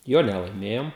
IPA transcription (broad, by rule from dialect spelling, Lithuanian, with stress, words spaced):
ˈjoː nʲɛlˠɐɪˈmʲeːjoːm